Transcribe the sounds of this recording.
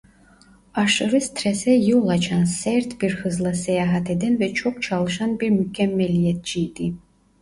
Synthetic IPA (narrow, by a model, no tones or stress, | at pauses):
aʂɨɾɨst̪ʰrɛsɛjuwlˠɐt͡ʃʰansert̪ʰbirxɨzlˠɐsɛjaːɦat̪ʰɛd̪ɛnvɛt͡ʃʰok̚t͡ʃʰaːlɨʃanbirmykʰʲɛmːɛlijɛt̪̚ʰd͡ʒiːd̪ʼi